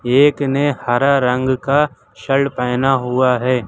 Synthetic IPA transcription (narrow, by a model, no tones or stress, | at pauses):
eːknehaɾaɾə̃ŋɡka | ʃɐɭpɛːnaɦʊaɦɛː